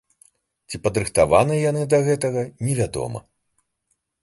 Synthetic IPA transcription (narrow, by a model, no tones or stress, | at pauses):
t͡sʲipɐd̪ɾɨxt̪ava̰nɨjan̪ɨd̪ɐɣɛt̪ɐɣɐnʲɛvʲad̪ɔ̰mɐ̰